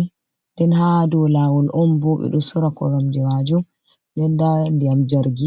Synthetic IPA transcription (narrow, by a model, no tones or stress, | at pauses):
dɛnhadɔlaːwɔlʔɔnbɔɓɛ̰ɗɔsɔɾakɔ̰ɾamd͡ʒɛwad͡ʒɔ | dɛndandijamd͡ʒaɾɡi